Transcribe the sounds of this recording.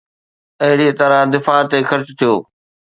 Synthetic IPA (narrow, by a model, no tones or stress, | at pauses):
ɐɦɪɽiet̪ɐɾãd̪ɪfaːt̪eːxɐɾt͡ɕt̪ʰijoː